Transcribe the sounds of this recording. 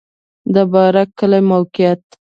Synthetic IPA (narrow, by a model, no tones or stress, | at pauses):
d̪əbɑɾakkːəlamawkɪjat̪ː